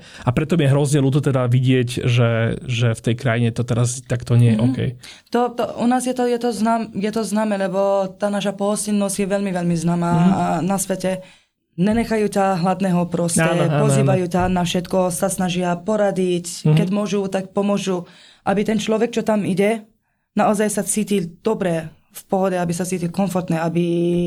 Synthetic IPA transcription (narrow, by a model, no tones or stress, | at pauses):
apɾɛt̪ɔmjɛɦɾɔznɛluːt̪ɔt̪ɛd̪aʋiɟɪɛcʒɛʒɛft̪ɛjkɾajiɲɛt̪ɔt̪ɛɾast̪akt̪ɔɲɪɛjɛʔɔkɛ̰j | t̪ɔt̪ɔṵnaːzjɛt̪ɔjɛt̪ɔznaːmjɛt̪ɔznaːmɛːlɛbɔt̪aːnaːʃapɔɦɔscinːɔsɟjɛʋɛʎmiʋɛlmiznaːmaːnasʋɛcɛ | ɲɛɲɛxajuːcaɦlad̪nɛɦɔpɾɔsɛppɔziːʋajuːcanafʃɛt̪kɔsasnaʒɪapɔɾaɟickɛɟmʊɔʒut̪ak̚pɔmʊɔʒu | ʔabit̪ɛnt͡ʃlɔʋɛk̚t͡ʃɔt̪amiɟɛ | naɔzajsat͡siːcild̪̥ɔbɾɛ | fpɔɦɔdɛabisat͡siːcilʲkɔnfɔɾt̪nɛabi